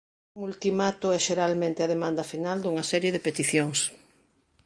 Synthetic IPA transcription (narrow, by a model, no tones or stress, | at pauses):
uŋult̪imat̪ʊɛʃeɾalmẽnt̪ɪɐðemãnd̪ɐfinald̪uŋɐsɛɾjeðɪpet̪iθjoŋs